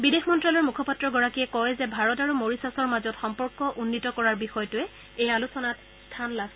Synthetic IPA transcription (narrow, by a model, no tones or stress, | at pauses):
bidexmɔntɹɔlɔɹmukʰɔpatːɹɔɡɔɹakiɛkɔjzɛbʱaɹɔtaɹumoɹisasɔɹmazɔtxɔmpɔɹkɔʔunːitɔkɔɹaɹbixɔjtʊɛ | ejalusɔnat | stʰanlas